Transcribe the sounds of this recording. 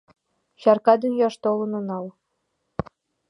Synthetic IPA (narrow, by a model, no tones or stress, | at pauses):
ɕɑrkɑd̪ynʲjɑʂt̪olˠɤ̆nɤ̆nɑl